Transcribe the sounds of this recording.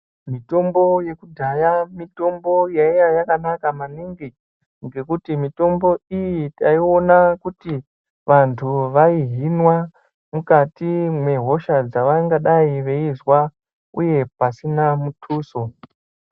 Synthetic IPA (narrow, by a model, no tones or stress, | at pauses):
mito̞mbo̞je̞kudʱajamito̞mbo̞jaijajakanakamaniŋɡi | ŋɡe̞kutimito̞mbo̞ijitaio̞nakuti | ʋantʰuʋaiɦinwa | mukatimwe̞ɦo̞ʃad͡zaʋaŋɡaɗaiʋe̞izwa | ṵje̞pasinamutʰuːso̞